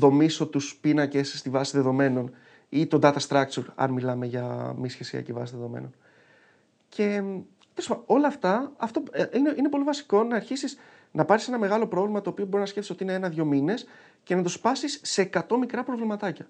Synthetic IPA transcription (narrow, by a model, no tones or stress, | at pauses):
ðo̞miso̞t̪uspinɐce̞sːt̪ivɐsiðe̞ðo̞me̞no̞n | it̪o̞d̪ɐt̪ɐst̪ɾɐk̚t͡suɾɐ̰nmilɐme̞ʝɐmisçe̞siɐ̰civɐ̰siðe̞ðo̞mḛno̞n | cʰe̞ | t̪esɐo̞lɐːft̪ɐɐft̪o̞ineʔine̞p̬o̞livɐsi̥ko̞nɐːɾçisis | nɐpɐɾsise̞nɐme̞ɣɐlo̞pɾo̞vlimɐt̪o̞ːpio̞bo̞ɾiznɐsce̞ft̪isot̪iineenɐðʝo̞mine̞s | ce̞nɐt̪ospɐsisːe̞ːkɐt̪o̞mikɾɐpɾo̞vlimɐt̪ɐcɐ